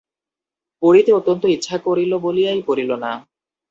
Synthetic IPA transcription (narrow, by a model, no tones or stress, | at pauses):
poɽit̪eot̪ːont̪oitːɕʰakoɾiloboliajpoɾilona